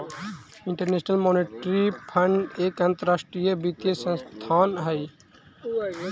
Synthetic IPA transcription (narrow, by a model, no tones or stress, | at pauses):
ɪ̃ɳʈəɾneːʃnəlmoːneʈɾipʰəɳɖeːkant̪əɾaːsʈɾijəbit̪ijəsə̃nst̪ʰaːnɦɛi